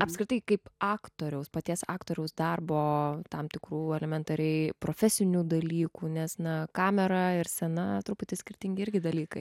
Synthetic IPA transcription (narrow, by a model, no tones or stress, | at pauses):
ɐpskɾɪt̪ɐɪkɐɪpɑːktt̪oːɾʲɛʊspɐt̪ʲiɛsɑ̰ːkt̪oːɾʲɛʊsd̪ɐrboːt̪ɐmt̪ʲɪkɾuːɛlʲɛmʲɛnt̪ɐɾʲɛɪpɾoːfʲɛsʲɪnʲuːd̪ɐlʲiːkuːnʲɛsnɐkɑːmʲɛɾɐɪɾsʲɛnɐt̪ɾʊpʊt̪ʲɪsʲkʲɪɾʲt̪ʲɪŋɡʲɪɪɾʲɡʲɪd̪ɐlʲiːkɐɪ